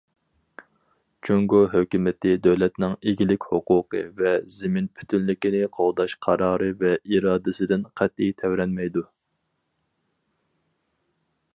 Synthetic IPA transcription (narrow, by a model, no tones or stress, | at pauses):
t͡ʃʰyŋɡuɦøkʲymɪt̪ʰɪd̪øwlɛt̪nɪŋeɡʲilɪkʲhoqʊːqɨ̰vɛzɪmɪnpʰy̥t̪ʰynlɪkʲinɪqʰolˠd̪ɑʃqʰɑɾɑːɾɨvɛiɾɑːd̪ɨsɪd̪ɪnqʰæt̪ːijt̪ʰɛvɾɛnmɛjd̪u